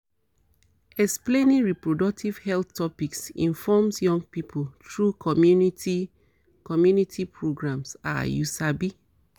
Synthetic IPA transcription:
ɛksplẽnĩŋɹipɹodɔk̚tʰiv̥hɛlθtʰɔpiksḭ̃nfɔmsjɔ̃ŋɡ̚pipʰoltʰɹukʰɔmjuniti | kɔmjunitʰipʰɹoɡɹãmsa̰jusabi

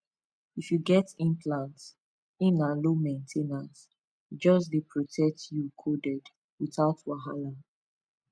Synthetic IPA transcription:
ifjuɡɛtĩnplãnts | ĩnãlomẽntʰenãns | d͡ʒɔs̬depʰɹɔtʰɛk̚tjukʰodɛd | wiθaʊtwaɦala

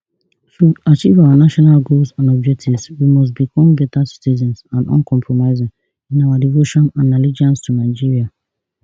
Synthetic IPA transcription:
tuat͡ʃivawanaʃɔnalɡolsãnɔb̚d͡ʒɛk̚tʰivswimɔs̬tbikʰɔ̃mbɛtasi̥tizɔ̃nsãnɔ̰̃nkʰɔ̃mpʰɹɔmaɪzĩŋ | ĩnawadivoʃɔ̃nãnɛlid͡ʒãnstʰunaɪd͡ʒiɹia

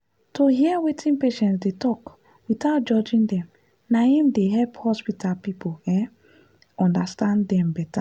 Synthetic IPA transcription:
toɦiɛwetʰĩnpeʃɛ̃ntsdetɔk | witaʊt̚d͡ʒɔd͡ʒĩndɛ̃m | nahĩmdeɦɛlphɔspitʰalpipoɛ̃ | ɔ̃ndastãndɛ̃mbɛta

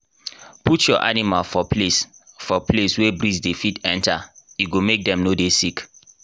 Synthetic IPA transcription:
putjɔʔa̰nimalfɔpesfɔpʰleswebɾisdefitɛ̃ntajuɡomek̚dɛ̃mnodesik

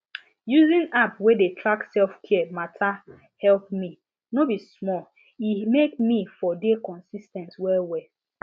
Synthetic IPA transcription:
juzĩnapwedetʰɹaksɛlfkʰɛmatʰa | hɛlp̚mi | nobismɔl | imek̚mifɔdekɔ̃nsistɛ̃nswɛwɛ

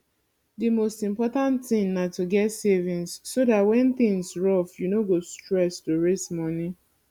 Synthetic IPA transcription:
dimostĩmpɔtãntθɪ̃ŋnatuɡɛtsevĩnsːodatwɛ̃nθɪ̃ŋsɹɔfjunoɡostɹɛstoɹesmɔni

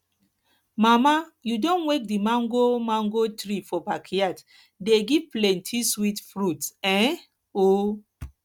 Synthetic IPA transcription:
mamajudɔ̃nwek̚dimãŋɡomãŋɡotɾifɔpakʰiat | deɡiplɛ̃ntʰiswitfɾutɛ̃ | o

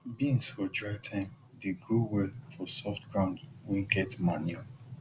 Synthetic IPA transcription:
bĩnsfɔdɹatʰãm | deɡowɛlfɔsɔftɡãʊ̃ndwĩŋkɛtmanja

